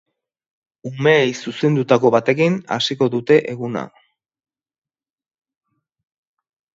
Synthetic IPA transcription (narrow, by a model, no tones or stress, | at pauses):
ume̞ːjsuse̞nd̪ut̪ako̞βat̪e̞kina̰siko̞ðut̪e̞ʔeɣuna̰